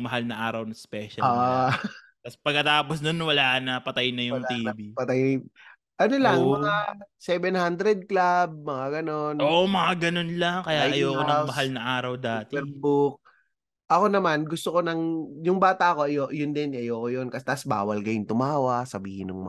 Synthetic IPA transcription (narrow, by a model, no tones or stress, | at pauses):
ŋmɐɦalnɐʔaːɾɐwnɐspɛːʃɐa | t̪ɐspɐɡ̚kːɐt̪aːposnonwɐlaːʔnɐpɐt̪ajnɐjʊwŋt̪iːɐbipɐt̪aj | ʔɐnolɐŋmɐŋasɛbɛnhand̪ɾɛd̪̚klab̚mɐŋaɡɐno̞nʔoʔmɐŋaɡɐnonlaŋkɐjaʔɐjoːkonɐŋmɐɦalnɐʔaːɾɐwd̪aːt̪ɛɾbuk̚ | ʔɐko̞nɐmanɡʊst̪oko̞nɐŋjʊŋbaːt̪aʔko̞ʔɐjoʔjʊnd̪ɪnɪʔɐjoːkojonkɐst̪asba̰ːwɐlkɐjʊŋt̪ʊmaːwɐsɐbiːhɪnʊŋmɐ̰